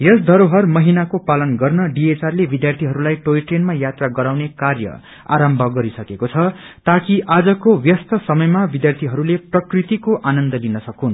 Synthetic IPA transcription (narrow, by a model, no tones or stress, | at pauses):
jʌsd̪ʱʌɾoɦʌrmʌɦinakopalʌnɡʌrnʌɖiet͡sarlebid̪jart̪ʰiɦʌɾulajʈoiʈrenmajat̪raɡʌɾawnekarjʌ̰ | a̰ɾʌmbʱʌɡʌɾisʌkekot͡sʰʌ | t̪akiʔad͡zʌkowjʌst̪ʌsʌmʌjmabid̪jart̪ʰiɦʌɾuleprʌkrit̪ikoʔanʌnd̪ʌlinʌsʌkun